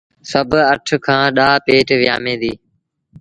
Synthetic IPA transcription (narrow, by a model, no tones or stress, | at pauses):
səbʱəʈʰkʰãːɗaːpeːʈʋɪja̰ːmẽːd̪iː